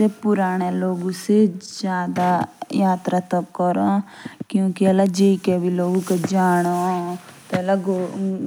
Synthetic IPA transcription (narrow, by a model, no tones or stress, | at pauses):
epʊɾaːɽ̃eloːɡũsed͡ʒjaːd̪ajaːt̪ɾat̪ɐp̚kɔɾokjũːkiɛlad͡ʒeikebʱiloːɡuked͡ʒaːɽ̃ot̪oɛlaɡo